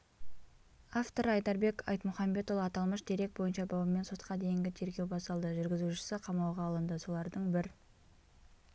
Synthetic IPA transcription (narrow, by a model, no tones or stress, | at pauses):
aft̪o̞ɾɑjd̪ɑɾbe̞kɑ̰jt̪mʊχɑmbe̞t̪olˠɑt̪ɑlˠməʃd̪eɾe̞k̚t̪̚bo̞jənʃɑbɑwəme̞nso̞t̪̚qɑd̪e̞jɪŋɡʲɪt̪ʰe̞ɾɡʲe̞wbɑst̪ɑlˠd̪əʒʏɾɡʲɪzuʃɪ̥sɪqʰɑmɑwʁɑːlˠənd̪əso̞lˠɑɾd̪əɴbɪɾ